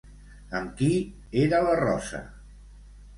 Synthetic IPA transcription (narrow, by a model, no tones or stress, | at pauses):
əmki | eɾələrɔ̰sə̰